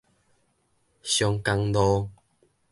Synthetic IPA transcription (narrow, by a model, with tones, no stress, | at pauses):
ɕjɔ˧ŋka˧ŋdɔ˧